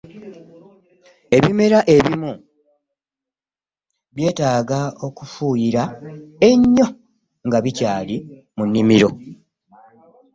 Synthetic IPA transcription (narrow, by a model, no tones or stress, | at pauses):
e̞βime̞ɾaʔeβimu | βje̞ːtaːɡao̞kufuːjiɾae̞ɲːo̞ | ŋɡaβicaːli | munːimiɾo̞